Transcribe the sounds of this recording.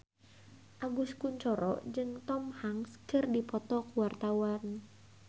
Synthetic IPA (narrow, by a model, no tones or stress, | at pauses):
ʔaɡuskuɲt͡ʃɔɾɔ̰ʔd͡ʒɨŋt̪ɔmhaŋskɨrdipɔt̪ɔkuwart̪awan